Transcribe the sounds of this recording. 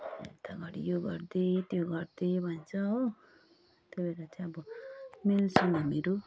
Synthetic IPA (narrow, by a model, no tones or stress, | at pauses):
et̪ʰaɡʌɾijoɡʌrd̪et̪joɡʌɾd̪ebʱʌnt͡sʰʌo | t̪jobeɾat͡sʰẽʌbʌmelsʌŋʌmeɾo